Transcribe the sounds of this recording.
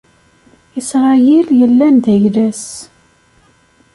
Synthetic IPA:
isʁajiljəlːænd̪æjlæs

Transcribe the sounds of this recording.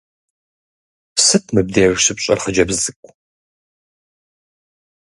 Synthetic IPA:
sɨtʰmɨb̚deːʒʃɨpɕʼɐ̰rχəd͡ʒɐbzɨkʷʼ

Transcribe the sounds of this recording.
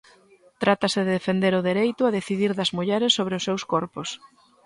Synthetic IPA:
t̪ɾat̪ɐsɪðeðefend̪eɾʊðeɾejt̪ʊaðeθiðiɾðɐzmuʎɛɾɪsːoβ̞ɾɪʊsːewskɔɾpʊs

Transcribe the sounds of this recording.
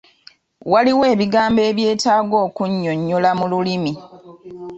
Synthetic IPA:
waliwe̞ːβiɡaːmbe̞ːβje̞ːtaːɡo̞ːkuɲːoɲːolamululimi

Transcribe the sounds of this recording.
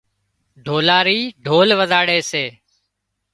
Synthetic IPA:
ɖʱoːlaːɾiːɖʱoːlʋəzaːɽeːseː

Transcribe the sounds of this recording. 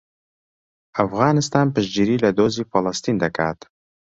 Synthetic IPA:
afɣɑnɪst̪ɑnpəʃd͡ʒiɾilad̪ozifalɑst̪ind̪akɑ̰t̪

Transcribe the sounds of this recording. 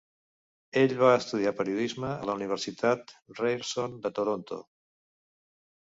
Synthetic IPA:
eʎβaəst̪uðiapəɾiuðizməə̰ləuniβ̞əɾsit̪at̪rejɾsond̪ət̪oɾont̪o̰

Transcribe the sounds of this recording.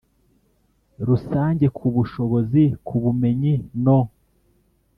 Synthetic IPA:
ɾusaːɲɟe̞kʰuβuʃo̞βo̞zikʰuβume̞ɲino

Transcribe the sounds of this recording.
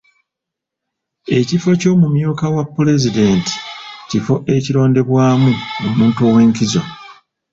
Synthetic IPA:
e̞cifo̞co̞ːmumjuːkawapːule̞zide̞ːnti̥cifo̞ʔe̞ciɾo̞ːnde̞βwaːmuomuːntuo̞ːwe̞ːŋkizo̞

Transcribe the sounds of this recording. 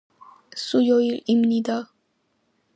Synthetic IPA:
sujoilimnid̪a

